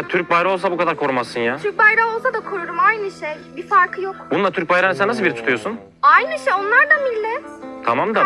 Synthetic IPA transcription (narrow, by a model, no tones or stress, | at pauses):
t̪ʰyɾc̚bajɾaolˠsabukʰad̪aɾkʰo̞ɾumasːɯnjaːt̪yɾk̚bajɾaolˠsad̪akʰoɾuɾumajnɯʃejbifaɾkʰɯjokbunlˠat̪ʰyɾc̚bajɾansɛnːasɯlˠbiɾit̪ʰut̪ʰujosun | ajnɯʃejo̞nlˠaɾd̪amilʲːɛt̪t̪ʰamamd̪a